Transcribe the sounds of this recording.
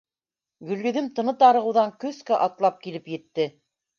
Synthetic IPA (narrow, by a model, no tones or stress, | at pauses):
ɡɵ̆lɡɵ̆ðɘmt̪ɤ̆nɤt̪ɑɾɤ̆ʁɤ̆wðɑŋkɵskæʔɑt̪lˠɑp̚kilɘpjɘ̆t̪ːɘ